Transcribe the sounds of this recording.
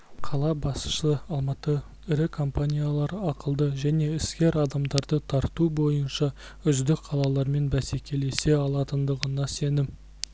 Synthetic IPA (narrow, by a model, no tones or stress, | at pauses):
qʰɑlˠɑbɑsʃəɑlˠmɑt̪ə | ɪɾɪkʰo̞mpanʲijalˠɑɾɑqəlˠd̪əʒæne̞ɪskʲe̞ɾɑd̪ɑmd̪ɑɾd̪ət̪ʰɑɾt̪ubo̞jənʃɑ | ʏzd̪ɪkqʰɑlˠɑlˠɑɾme̞nbæse̞kʲe̞le̞se̞ɑlˠɑt̪ənd̪əʁənɑse̞nɪm